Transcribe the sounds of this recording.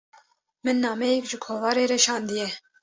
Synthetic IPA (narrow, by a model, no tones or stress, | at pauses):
mɨnːɑːmɛjɛkʒɨkʰoːvɑːɾeːɾɛʃɑːnd̪ɨjɛ